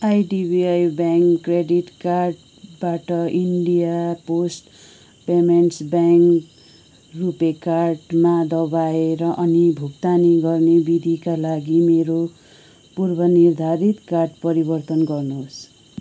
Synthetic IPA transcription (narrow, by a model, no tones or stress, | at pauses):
ajɖibiajbaŋkːreɖiʈkarɖ | baʈʌiɳɖijaposʈ | pemeɳʈsbaŋk | rupekarʈmad̪ʌbaeɾʌʔʌnibʱukt̪aniɡʌrnebid̪ʱikalaɡimeɾo | purbʌnird̪ʱaɾit̪karɖpʌɾibʌrt̪ʌnɡʌrnoɦos